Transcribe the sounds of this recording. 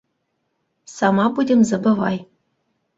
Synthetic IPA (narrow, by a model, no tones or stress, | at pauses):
sɑmɑpudʲɘ̆mzɤ̆bɤ̆vɑj